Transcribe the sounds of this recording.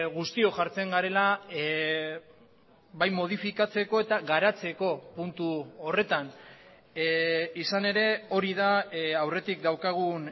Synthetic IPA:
ɣust̪io̞ʝaɾt͡se̞ŋɡaɾe̞la | bajmo̞ð̞ifikat͡se̞ko̞e̞t̪aɣaɾat͡se̞ko̞punt̪uore̞t̪an | isane̞ɾe̞o̞ɾiðaawre̞t̪ikd̪awkaɣ̞un

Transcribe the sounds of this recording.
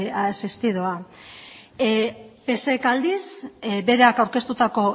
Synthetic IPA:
asist̪iðoa | pe̞se̞kald̪isbe̞ɾeakawɾke̞st̪ut̪ako̞

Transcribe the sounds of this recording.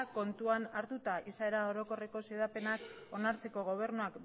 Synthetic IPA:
ko̞nt̪uanaɾt̪ut̪aʔisae̞ɾao̞ɾo̞ko̞re̞ko̞seðape̞nak | o̞naɾt͡se̞ko̞ɣ̞o̞β̞e̞ɾnuak

